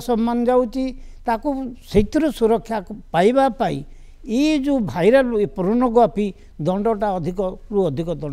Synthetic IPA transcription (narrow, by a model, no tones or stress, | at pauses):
sɔmːanɔd͡ʒawt͡ʃʰit̪akuset̪ɾɔsuɾɔkʰːjapajbapaḭ | ed͡ʒũbʱajɾaepɔɾɔnɔɡɔpi | d̪ɔɳɖɔʈaɔd̪ʱikɔɾuɔd̪ʱikɔd̪ɔɳ